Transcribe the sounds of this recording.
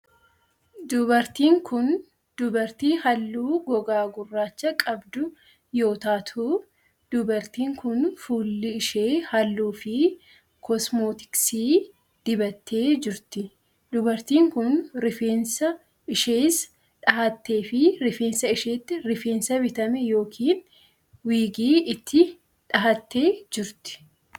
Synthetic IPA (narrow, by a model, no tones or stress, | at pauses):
d̪ʊbɐɾt̪iːŋkʊn | d̪ʊbɐɾt̪iːhɐlːuːɡɔɡaːɡʊrːaːt͡ʃːɐkʼɐbd̪ʊ | jo̞ːt̪aːt̪ʰuː | d̪ʊbɐɾt̪iːŋkʊnfuːlːɪɪʃeːhɐlːuːfɪ | kʰɔsmoːt̪ɪ̥ksiː | d̪̥ɪbɐt̪ʰːe̞ːd͡ʒɪɾt̪ɪ | d̪ʊbɐɾt̪iːŋkʊnɾɪfeːnsɐ | ɪʃeːs | ᶑɐhɐt̪ːe̞ːfɪɾɪfe̞ːnsɐɪʃeːt̪ːɪɾɪfe̞ːnsɐbɪt̪ɐmɛjo̞ːkʰiːn | wiːɡiːɪt̪ʰːɪ | ᶑɐɦɐt̪ːe̞ːd͡ʒɪɾt̪ɪ̥